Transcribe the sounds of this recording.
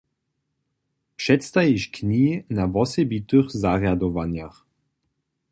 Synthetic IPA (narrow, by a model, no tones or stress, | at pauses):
pʂɛt̪st̪ajiʃkɲiːnavɔsɛbit̪ɨxzaʁjad̪ɔvaɲjax